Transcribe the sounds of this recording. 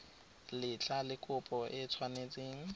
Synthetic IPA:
lɪt͡ɬalɪkʰʼʊpʼɔʔɪt͡sʰwanet͡sʼeːŋ̩

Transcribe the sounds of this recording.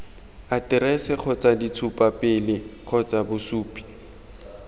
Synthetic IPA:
atɪrɛsɪk͡xʰɔt͡sʼadit͡sʰʊpʼapʼɪlɪq͡χʰɔt͡sʼabʊsuːpʼi̥

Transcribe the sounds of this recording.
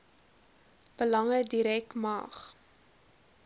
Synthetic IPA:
b̥əlɐŋədiɾɛkmɑ̰ːχ

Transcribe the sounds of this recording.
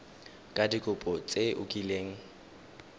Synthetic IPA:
kʼadikʼʊpʼɔt͡sʼeʔʊkʼileːŋ̩

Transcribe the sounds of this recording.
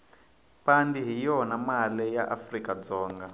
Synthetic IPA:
pandiɦijɔnamalɛjaʔafrikad͡zɔːŋɡa

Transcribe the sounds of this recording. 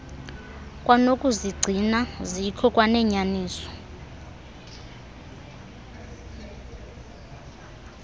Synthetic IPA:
kʼwanokʼuziɡ͡ǀʱinazikʰɔkʼwanɛɲaniːsɔ̥

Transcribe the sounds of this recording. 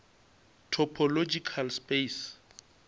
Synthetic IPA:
tʰɔpʰɔlod͡ʒikʰalspes

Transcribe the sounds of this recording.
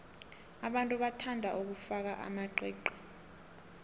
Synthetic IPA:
aɓantʼuɓatʰandʱaʔuk̬ufak̬aʔa̰maǃɛːǃɔ̥

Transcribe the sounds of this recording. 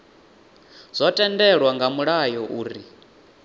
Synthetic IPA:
z̥ʷɔtʼɛndɛɺwaŋɡamuɺajɔʔuːɾi

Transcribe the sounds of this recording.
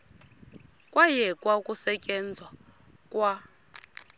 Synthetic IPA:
kʼwajɛkʼwakʼusɛcʼɛnd͡zʱwa | kʼwa

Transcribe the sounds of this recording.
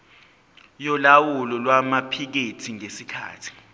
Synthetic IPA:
jɔlawulɔlwamapʰik̬etʰiŋesikʰa̰ːtʰi̥

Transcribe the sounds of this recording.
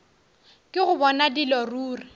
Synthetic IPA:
kʼɪɣʊbɔnadilɔruːri

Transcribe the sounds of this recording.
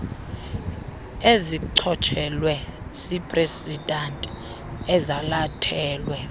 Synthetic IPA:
eziǀʰɔt͡ʃʰʼɛlwɛsipʼresidantʼ | ɛzalatʰɛːlwɛ

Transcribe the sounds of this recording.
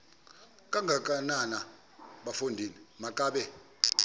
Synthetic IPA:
kʼaŋɡʱak̬ʼanana | ɓafondʱinimakʼaːɓɛ

